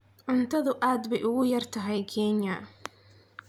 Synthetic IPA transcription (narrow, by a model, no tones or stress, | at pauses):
ʕʊnt̪ʰɐðʊʔaːd̪bɛjʔʊɣʊjɐrt̪ʰɐɦɛjkʰɛːnjɐ